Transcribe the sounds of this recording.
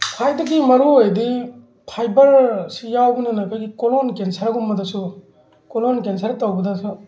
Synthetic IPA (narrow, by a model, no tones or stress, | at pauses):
pʰajdɐɡimɐɾuojdi | pʰajbɐɾsijawbɐnɐnakʰajɡikolonkensɐɾɐɡumːɐdɐsu | kolonkens̬ɐɾtawbɐdɐsu